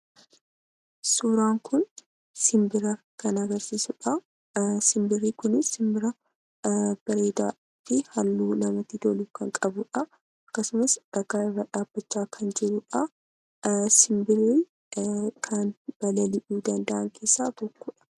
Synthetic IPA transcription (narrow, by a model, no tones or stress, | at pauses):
suːɾaːŋkʊn | sɪmbɪɾɐ | kɐnɐɡɐɾsiːsʊᶑɐ | sɪmbɪrːiːkʊnɪsɪmbɪɾɐ | b̥ɐɾeːd̪a̰ːɪt̪ːɪhɐlːuːnɐmɐt̪ɪd̪oluːkɐŋkʼɐbʊᶑɐ | ɐkːɐsʊmɐsᶑɐɡaːʔɪrːɐᶑaːb̥ːɐt͡ʃːaːkʰɐnd͡ʒɛɾʊᶑɐ | sɪmbɪriː | kʰɐnb̥ɐlɐlɪʔuːd̪ɐnd̪ɐʔɐŋkʰe̞ːsːaːt̪ɔkːʊᶑɐ̥